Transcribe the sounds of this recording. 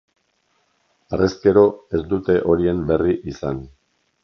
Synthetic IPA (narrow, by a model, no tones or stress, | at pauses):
a̰rʔesk̪e̞ɾo̞e̞zd̪ut̪e̞ʔo̞ɾie̞mbe̞riʔisan